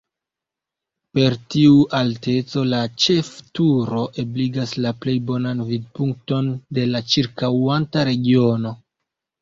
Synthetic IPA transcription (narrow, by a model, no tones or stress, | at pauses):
pe̞ɾtiuʔalte̞t͡so̞lat͡ʃe̞ftuɾo̞ʔe̞bliɡaslaple̞jbo̞nanvid̚puŋk̚to̞nde̞lat͡ʃiɾkawantaɾe̞ɡio̞no̞